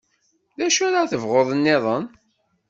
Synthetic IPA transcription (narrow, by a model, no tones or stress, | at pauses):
ðæʃæɾaθəvʁoðˤənːɪðˤən